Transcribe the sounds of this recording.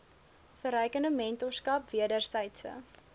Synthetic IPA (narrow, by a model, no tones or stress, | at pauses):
fəɾɛjkənəmɛntoskɐpviədərsɛjtsə̰